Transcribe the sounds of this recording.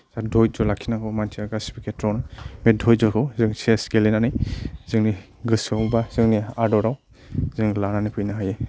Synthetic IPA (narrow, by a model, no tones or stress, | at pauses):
zadʱɔjd͡ʒɔlakʰinakʰɯwmantʰiaɡaspikʰetʰɾɔwnɯmedʱɔjd͡ʒɔkʰɯwzɯŋseskelenanɯjzɯŋni | ɡɯsawbazɯŋniadɔɾaw | zɯŋlananikʰɯjnaɦaje